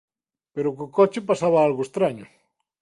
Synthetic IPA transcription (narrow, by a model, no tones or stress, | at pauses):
peɾʊkokɔt͡ʃɪpasaβaalɣoest̪ɾaɲʊ